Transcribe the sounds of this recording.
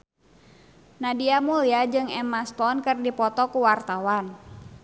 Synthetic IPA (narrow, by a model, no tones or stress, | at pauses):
nadiamuliad͡ʒɨŋɛmast̪ɔnkɨrdipɔt̪ɔkuwart̪awan